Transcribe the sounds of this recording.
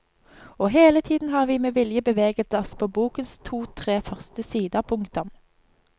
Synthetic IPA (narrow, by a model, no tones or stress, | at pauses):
oːɦeːlət̪ʰiːd̪n̩ɦɑːʁʋiːmeːʋɪljəbəʋeːɡət̪ɔspʰoːbuːkənst̪ʰuːt̪ʰʁeːfœʁst̪əsiːd̪ɑpʰʊŋkt̪ʊm